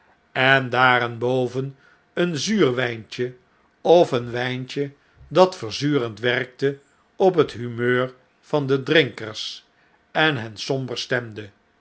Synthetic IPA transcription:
ɛndaːɾɛnbowvən | ənzyːrʋɛjnt͡ʃə | ɔfənʋɛjnt͡ʃə | dɑtfəɹzyːrəntʋɛrk̚tə | ɔp̬ɦətɦymøːɹ | v̥ɑndədrɪŋkəɹs | ɛnɦɛnsɔmbəɹstɛmdə

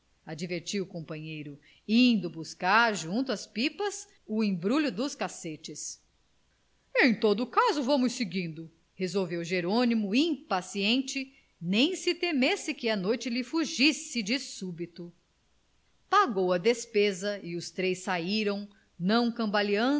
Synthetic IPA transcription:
ad͡ʒiveɾt͡ʃiwʊkõmpɐ̃ɲejɾʊ | ĩnd̪ʊbuskaɾʒũnt̪ʊɐspipɐs | ʊẽj̃bɾuʎʊd̪ʊskaset͡ʃɪs | ẽj̃t̪od̪ʊkazʊvɐ̃mʊsːɪɡĩnd̪ʊ | hezowvewʒeɾõnimʊĩpasiẽnt͡ʃɪ | nẽj̃sɪt̪emesɪkɪɐnojt͡ʃɪlɪfuʒisɪd͡ʒɪsubit̪ʊ | paɡowɐd̪espezɐɪʊst̪ɾejsaiɾɐ̃w̃ | nɐ̃w̃kɐ̃mbaliɐ̃

